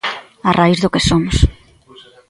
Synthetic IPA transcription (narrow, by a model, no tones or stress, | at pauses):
arʔaizðokesomʊs